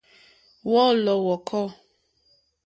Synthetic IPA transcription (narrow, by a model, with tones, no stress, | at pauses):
wɔ˦lɔ˨wɔ˨kʰɔ˦